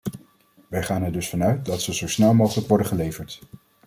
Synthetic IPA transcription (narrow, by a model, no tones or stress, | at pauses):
ʋɛjχaːnɛɹdɵsfɑnœɥt̚dɑtsəzowsnɛlˠmowχələkʋɔɹdəχəlejvəɹt